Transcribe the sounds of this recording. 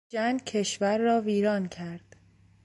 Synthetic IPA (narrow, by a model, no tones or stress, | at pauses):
æŋɡcʰeʃvæɾːɒːviːɾɒːncʰæɾd̪̥